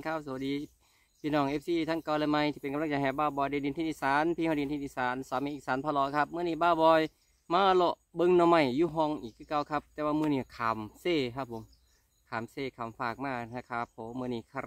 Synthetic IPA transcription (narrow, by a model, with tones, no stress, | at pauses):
kʰa˧˥˩p̚su˧˨˦diː˧˦ | pʰiː˧nɔː˧˩ŋʔe˧˥p̚siː˧˩t̪ʰa˧˥˩ŋkaː˧˩lɛ˧˨ma˧˨jt̪ʰi˧pe˨nka˧mlt͡ɕa˧˩ɦɛː˨˧˩baː˧˩wbɔː˧˩jdi˧˦di˧˨nt̪ʰi˧˩iː˧saː˨˦npʰi˧hdi˨˧nt̪ʰi˧t̪i˧saː˨˦nsaː˨˦miː˧˨ʔːk̚saː˨˦npʰa˧lɔː˨˧˦kʰa˧˥p̚mɯː˧˨niː˧˩baː˧˩wbɔː˧˦j | maː˧lo˧˨ʔbɯ˧˨ŋnɔ˧˨ma˧˩jːuː˧˩ɦɔ˧ŋʔiː˨˩kʰːɯː˧˨ka˧˩wkʰa˧p̚t̪ɛː˧waː˧mɯː˧niː˧˩kʰaː˨˦mseː˧˩kʰa˧˩p̚ʰːo˨˦m | kʰaː˨˦mseː˧˩kʰa˨˩mfaː˧˩k̚maː˧˩a˧˩kʰaː˧˩p̚ʰːo˨˦mɯː˧niː˧˩kʰa˧